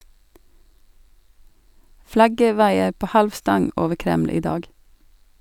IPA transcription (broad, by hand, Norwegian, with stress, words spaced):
ˈflɑɡə ˈʋɑɪə ˈpoː ˈhɑlʋ ˈstɑŋ ˈoːʋə ˈkɾɛml̩ ˈiː ˈdɑːɡ